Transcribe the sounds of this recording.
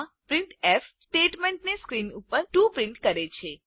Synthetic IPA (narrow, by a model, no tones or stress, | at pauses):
pɾɪɳʈefsʈeʈmeɳʈneskɾinupəɾʈũpɾɪɳʈkəɾet͡ʃʰe